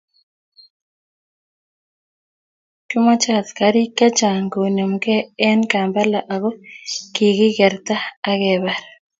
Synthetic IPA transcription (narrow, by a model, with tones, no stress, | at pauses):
ku˦mɔ˦t͡ʃa˦˨t̪ka˨ɾi˦ka˦t͡ʃa˨ŋɡo˨no˨mɡɛ˦ɛ˦nka˨mba˦la˨ʔa˨ɡo˦ki˨ɡɪ˦ɡɛ˨ɾt̪aː˦ɡɛ˨ba˨ɾ